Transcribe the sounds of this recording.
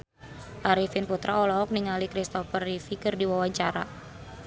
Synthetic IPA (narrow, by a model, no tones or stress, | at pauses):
ʔaɾifinput̪ɾʔaɔlɔɦɔk̚niŋalikɾist̪ɔfərifikɨrdiwawaɲt͡ʃaɾa